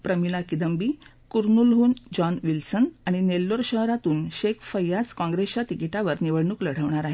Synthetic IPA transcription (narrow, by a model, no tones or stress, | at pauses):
pɾəmilakid̪əmbiː | kuɾnulɦuːnd͡ʑɔnʋilsənaɽ̃inelːoɾɕəɦɾat̪uːnɕekʰfəjːat͡skɔ̃ŋɡɾest͡ɕat̪ikiʈaʋəɾniʋəɽɳuːkləɽ̤əʋɳaɾaɦe